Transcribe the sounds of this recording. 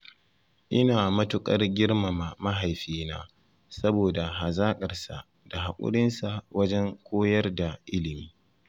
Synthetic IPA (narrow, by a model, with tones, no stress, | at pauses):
ʔɪ˦naː˨mɐ˦tʊ˦kʼɐ˦rɡʲɪ˦rma˨ma˨ma˦ɦa˨jɸiː˦naː˦ | sɐ˦boː˨da˨ɦa˨zaː˦kʼɐ˨rsa˨ʔ | d̥a˨ɦa˨kʷʼʊ̰˦ɽɪ˦nsa˨wɐ˦d͡ʒɛ˦ŋkʷoː˦jɐ˦rda˨ʔɪ˦lɪ˨miː˦